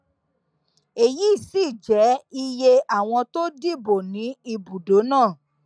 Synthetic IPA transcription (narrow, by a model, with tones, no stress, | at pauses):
e˨ji˨˦˨si˦˨d͡ʒɛ˨˦i˧je˧a˦˨w̃ɔ̃˧to˦di˦˨bo˨nĩ˨˦i˧bu˨do˨˦nãː˦˨